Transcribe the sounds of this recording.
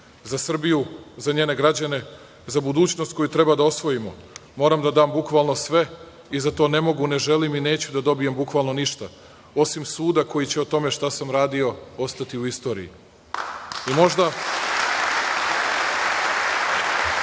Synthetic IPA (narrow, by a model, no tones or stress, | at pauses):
zasr̩bijuzaɲe̞ːne̞ɡɾad͡ʑane̞ | zabud̪uːt͡ɕnost̪̚ko̞jut̪ɾe̞bad̪ao̞sʋo̞jimo̞mo̞ːɾamd̪ad̪aːmbukʋalˠno̞sʋe̞ | izat̪o̞ːne̞mo̞ɡune̞ʒe̞limineːt͡ɕud̪ad̪o̞bijembukʋalˠno̞niʃt̪a | o̞simsuːd̪ako̞jit͡ɕeot̪o̞me̞ʃt̪asamɾaːd̪io̞o̞st̪at̪iuist̪o̞ːɾḭḭ | imo̞ʒd̪a